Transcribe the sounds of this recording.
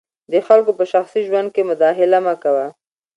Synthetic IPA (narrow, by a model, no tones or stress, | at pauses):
d̪əxalkopəʃaxsiʒwand̪̚kemʊd̪ɑxɪlamakawa